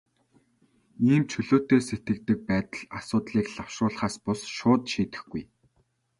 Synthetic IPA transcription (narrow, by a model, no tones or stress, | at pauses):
iːmt͡ɕʰɵɮoːt̪eːset̪̚ɡɘ̆k̚t̪ɘ̆k̚pæːt̪ə̆ɮasʊːt̪ɮiːkɮaw̥ʃrʊːɮχaːspʊsʃʊːt̪ʃiːt̪ɘ̆xɡuj